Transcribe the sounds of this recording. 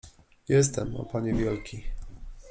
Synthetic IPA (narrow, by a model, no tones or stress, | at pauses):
jɛst̪ɛmɔ̰paɲɛvʲjɛlkʲʰi